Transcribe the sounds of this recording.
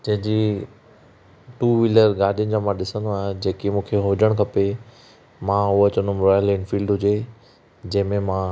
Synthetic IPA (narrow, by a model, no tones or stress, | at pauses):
d͡ʑɐ̃ɦɪ̃d͡ʑiː | ʈuːʋiləɾɡaːɽʱijʊnɪ̆d͡ʑaːmãɗɪsə̃nd̪oaːɦẽd͡ʑeːkimũːkʰeɦʊd͡ʑəɽ̃kʰɐpe | mãʊoɐt͡ɕənõmɾaːjəlenfiːlɖɦʊd͡ʑe | d͡ʑɐ̃ɦɪ̃mẽmã